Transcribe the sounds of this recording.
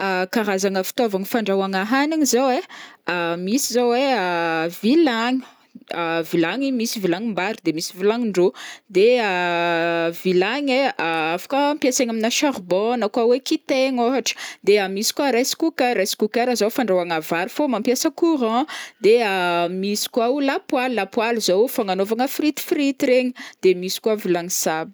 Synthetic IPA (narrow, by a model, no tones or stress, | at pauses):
akaɾazaŋəfi̥t̪ovaŋifaɳɖ͡ʐawaŋaɦaniŋizoweamisizowweəvilaɲi | əvilaɲimisivilaŋimbaɾud̪emisivilaŋiɳɖ͡ʐod̪ea | vilaɲeaafḁkaampjaseŋaminaʃarbɔnakwawekit̪eŋoɦaʈ͡ʂə̥d̪eamisi̥kwaɾajsi̥kukaɾajsi̥kukaɾəzawfaɳɖ͡ʐawaŋavaɾifomampjasəkuɾãd̪eamisi̥kwaulapwalilapwaluzowfaŋanovaŋəfrit̪i̥fɾit̪iɾeɲəd̪̥emisi̥kuavilaŋisabi